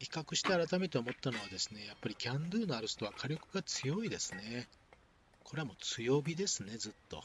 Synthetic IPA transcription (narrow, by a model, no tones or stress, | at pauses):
hi̥kakɯ̟ɕi̥t̪e̞aɾat̪amet̪eomo̞t̪ːano̞βad̪e̞sɨne̞japːaɾʲikʲãnd̪ɯːnoaɾɯst̪o̞β̞akʰaɾʲo̞kɯ̟ɡat͡sɨjo̞id̪e̞sɨne̞ | kʰo̞ɾe̞amo̞t͡sɨjo̞ːbʲid̪e̞sɨne̞zɨt̪ːo̞̰